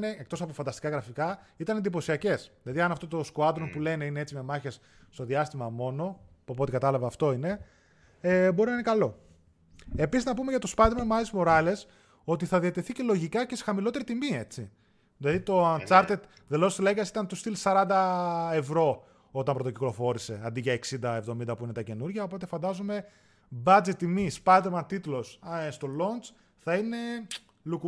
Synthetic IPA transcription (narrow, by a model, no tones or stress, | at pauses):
neekt̪o̞sɐpofɐnd̪ɐst̪i̥kɐɣɾɐfikɐit̪ɐnend̪ipo̞siɐce̞sðilɐðiɐnɐft̪ot̪o̞skoɐt̪ɾonpule̞ne̞ine̞e̞t͡sime̞mɐçesː | t̪o̞ðiɐst̪imɐmo̞no̞pɐpo̞t̪ikɐt̪ɐlɐvɐːft̪o̞ine̞ | eboɾinɐinekɐlo̞ | episiznɐpume̞ʝɐt̪o̞spɐðimɐmɐlizmo̞ɾɐle̞s | o̞t̪iθɐðiɐt̪e̞θice̞lo̞ʝikɐcese̥xɐmilo̞t̪e̞ɾit̪imie̞t͡sḭ | ðilɐðit̪o̞ɐnt͡sɐɾt̪et̪ | ðelost̪ileɡɐsi̥t̪ɐnt̪ust̪ilsɐɾɐnd̪ɐe̞vɾo̞ | o̞t̪ɐmpɾo̞t̪oci̥klo̞fo̞ɾise̞ɐnd̪iʝɐeksind̪ɐe̞vðo̞mind̪ɐpuinet̪ɐce̞nuɾʝɐopo̞t̪e̞fɐnd̪ɐzome̞ | bɐd͡zet̪ːimispɐd̪emɐnt̪it̪ulo̞sst̪o̞lo̞nt͡s | θɐine̞ | luk